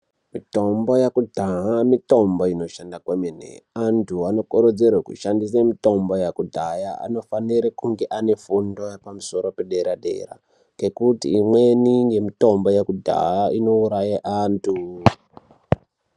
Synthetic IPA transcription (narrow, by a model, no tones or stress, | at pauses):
mito̞mbo̞jakudʱaɦamito̞mbo̞ino̞ʃandakwemenḛantʰuano̞koɾod͡zerwekṵʃandisemito̞mbojakudʱajaa̰no̞faniɾekuŋɡe̞ʔane̞fundo̞jepamuso̞ɾo̞pe̞ɗe̞ɾaɗe̞̰ra̰ | kekutḭːmwenijemito̞mbojakudʱa̰jaino̞uɾajaʔaːntʰu